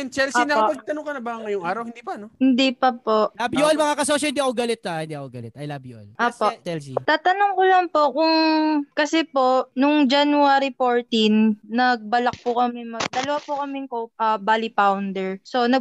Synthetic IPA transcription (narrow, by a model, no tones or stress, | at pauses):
ɛnt͡ʃɛlsʔinɐkɐpɐɡ̚t̪ɐnʊŋkɐnɐbaŋːɐjʊŋʔaːɾɐwhɪnd̪iːpɐnohɪnd̪ipɐpoʔabjʔolmɐŋakɐsosɐɪnd̪iʔɐkoɡɐlɪt̪ːaɪnd̪iʔɐkoɡɐlɛt̪̚ɐjlaːbjoʔo̰lʔoːpot͡ʃɛlsit̪aːt̪ɐnʊŋkʊlɐŋpo̞kʊŋkɐsɛpo̞ʔnʊŋd͡ʒanʊaːɾifoːɹt̪inːɐɡ̚bɐlɐk̚pʊkɐmɛmɐɡ̚d̪ɐlɐwapʊkɐmɛŋkoʔɐbaːlipawnd̪ɛɹsonɐɡ